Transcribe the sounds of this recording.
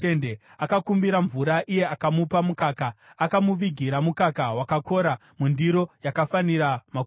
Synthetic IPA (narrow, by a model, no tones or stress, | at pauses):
ende | akakumbiɾaɱvuɾaʔije̞akamupamukaːkaːkamuʋiɡʱiɾamukakaɦwakako̞ɾa | mundiɾo̞jakafaniɾama